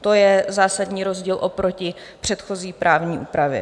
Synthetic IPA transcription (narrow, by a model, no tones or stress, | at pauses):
t̪o̞jɛzaːsadɲiːɾo̞zɟiːlʔo̞pɾo̞cɪ | pr̥ɛt̪xo̞ziːpɾʔaːvɲiːʔuːpɾavjɛ̰